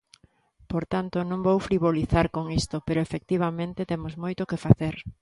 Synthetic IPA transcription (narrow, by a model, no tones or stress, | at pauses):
poɾt̪ant̪onõŋbowfɾiβoliθaɾkoŋist̪opeɾoefek̚t̪iβ̞amẽnt̪ɪt̪emozmojt̪okefaθeɾ